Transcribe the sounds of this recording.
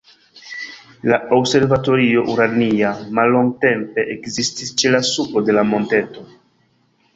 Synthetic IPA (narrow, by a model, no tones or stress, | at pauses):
laobse̞ɾvato̞ɾio̞ʔuɾaniamalːo̞ŋɡ̚te̞mpe̞ʔekzistist͡ʃelasupo̞de̞lamo̞nte̞to̞